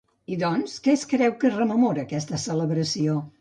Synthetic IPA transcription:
iðɔnskɛskɾɛwkərəməmoɾəːkɛst̪əsələβɾəsio

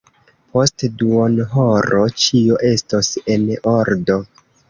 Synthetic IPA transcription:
po̞stduonɦoɾo̞t͡ʃioʔe̞stosenoɾdo̞

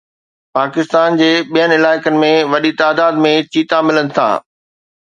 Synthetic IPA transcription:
paːkɪst̪aːnd͡ʑeːɓijənɪɪlaːɪkənɪ̆mẽʋɐɗit̪aːd̪aːd̪mẽt͡ɕiːt̪amɪlənɪ̆t̪ʰa̰ː

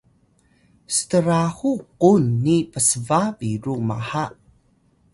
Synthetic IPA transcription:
stəɾaxuqunːipəsəvaviɾuma̰ha

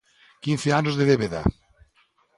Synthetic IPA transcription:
kinθeanozðeðeβeða̰

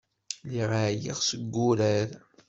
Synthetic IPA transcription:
liʁaʕjḭʁsəɡːʊɾæɾ

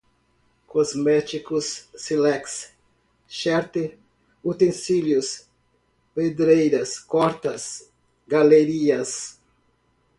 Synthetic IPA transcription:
kozmɛt͡ʃikʊsːilɛks | ʃɛɾt̪ɪ | ut̪ẽnsiljʊs | ped̪ɾejɾɐskɔɾt̪ɐs | ɡaleɾiɐs

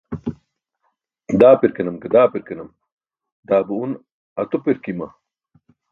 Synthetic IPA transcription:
d̪aːpiɾkenɐmkɐd̪aːpiɾkenɐm | d̪aːbuun | ɐt̪upiɾkimɐ̰

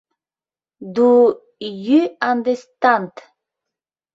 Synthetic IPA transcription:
d̪u | jyand̪est̪ant̪

